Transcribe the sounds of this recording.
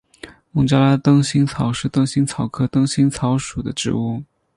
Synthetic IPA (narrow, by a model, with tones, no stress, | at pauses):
mʊ˧˥ŋt͡ɕja˥la˥t̪ɤ˥ŋɕi˥ŋt͡sʰɑ˧˥ʊʂɻ̩˥˧t̪ɤ˥ŋɕi˥ŋt͡sʰɑ˨˩ʊkʰɤ˥t̪ɤ˥ŋɕi˥ŋt͡sʰɑ˧˥ʊʂu˨˩d̪ə˦ʈ͡ʂɻ̩̰˧˥u˥˩